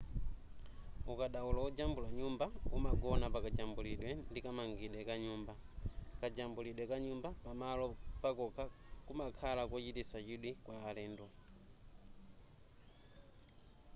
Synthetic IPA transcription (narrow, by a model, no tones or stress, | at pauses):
ukaɗaulaud͡ʒambulaɲumbaumaɡɔnapakad͡ʒambuliɗwɛndikamaŋɡiɗwɛkaɲuːmba | kad͡ʒambuliɗwɛkaɲumbapamalɔpakɔkʰakumakʰalakwɔt͡ʃitisat͡ʃiɗwikwaːlɛːndwɔ